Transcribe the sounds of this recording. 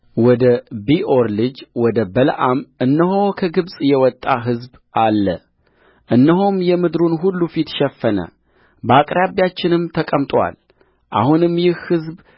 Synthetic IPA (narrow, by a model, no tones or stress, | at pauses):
wɔd̪əbiʔoɾlɨd͡ʒwɔd̪əbəlʔamʔɨnːəɦokʰəɡɨβsʼjɛwɔt̪ʼːaɦɨzb | ʔalːə̰ | ʔɨnːəɦomjɛmɨd̪ɾunɦulːufit̪ʃɛfːənə̰ | bakʼɾaβjat͡ʃːɪnɨmt̪ʰəkʼəmt̪ʼwa̰l | ʔa̰hunɨmjɪhhɨzb